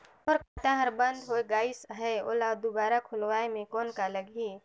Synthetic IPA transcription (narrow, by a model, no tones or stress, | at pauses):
ɔɾkʰəʈ̪ãɦəɾbə̃nd̪ɦoeɡaːɪsɦɛo̰ːlad̪ubaːɾakʰʊlwaːemẽkɔːnkaləɡi